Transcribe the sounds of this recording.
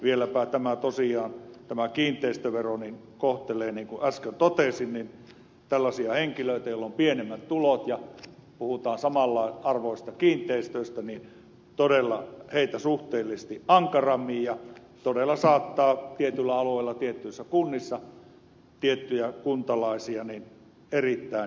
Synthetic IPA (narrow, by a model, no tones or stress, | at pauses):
ʋielæpæˑit̪æmæt̪osiɑːnt̪æmækiːnt̪ˑeˑist̪øʋeronin | koht̪eleːniːŋkuʔæskønt̪ot̪esinnin | t̪ælːɑsiɑheŋkiløˑit̪æjolːompienemːæt̪t̪ulot̪jɑpuhut̪ɑːnsɑmɑlːɑˑeʔɑrʋoˑisest̪ɑkiːnt̪ˑeist̪øˑist̪ænin | t̪odelːɑheˑit̪æsuht̪eːlːisst̪iʔʔɑŋkɑrɑmːijjɑ | t̪odelːˑɑsɑːt̪ːɑːt̪iet̪ylːæɑluˑeˑilːɑt̪iet̪ːyisːækunːisːɑ | t̪iet̪ːyjækunt̪ɑlɑˑesiɑnin | erit̪ːæˑe